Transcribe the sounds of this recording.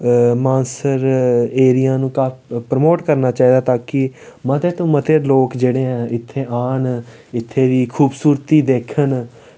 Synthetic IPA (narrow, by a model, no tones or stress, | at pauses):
mãːnsəɾeːɾijãːnũːkaːpɾəmoːʈkəɾnaːt͡ʃaːiːd̪aːt̪ãːkɪmət̪eːt̪õːmət̪eːloːkd͡ʒeːɽeːɛ̃ːʔɪt̪ʰːeːʔaːn | ɪt̪ʰːeːʋiːkʰuːbsuːɾt̪iːd̪eːkʰən